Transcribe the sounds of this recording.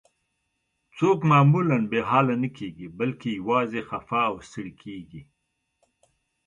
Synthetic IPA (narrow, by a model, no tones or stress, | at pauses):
t͡soːkmaːmulanbeɦɑːlanəkeːɡibəlkejawɑːzexafaːwst̪əɽikʰeːɡi